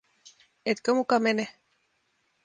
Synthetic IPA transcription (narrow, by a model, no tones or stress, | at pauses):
et̪kəmukamene